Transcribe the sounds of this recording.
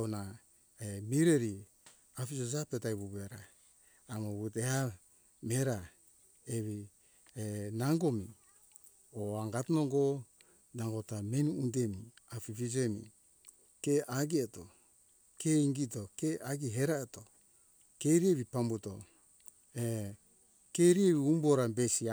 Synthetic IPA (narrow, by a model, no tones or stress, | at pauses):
una | emiɾeɾi | afid͡ʒod͡ʒapetajβuβeɾaː | moβuteha | meɾa | eβi | naŋɡo̞mi | oaŋɡatnoŋɡo | naŋɡo̞tamenuunde̞miafifid͡ʒe̞mḭ | keaɡieto | keiŋɡito̞keʔaɡiɦe̞ɾaeto | keɾieβipambuto̞̰ | e | keɾieβiumbo̞ɾabesia